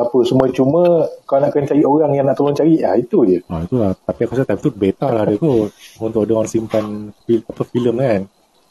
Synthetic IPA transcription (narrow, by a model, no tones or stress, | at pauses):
apəsəmuat͡ʃumə̃kalanaʔkənt͡ʃaɾioɾaŋjaŋnaʔt̪əloŋt͡ʃaɾiʔa̰it̪ujəɔit̪ulaht̪apiakasat̪ajmt̪ubet̪alahdət̪uunt̪ʊkadəwansimpanfiapəfiləmkan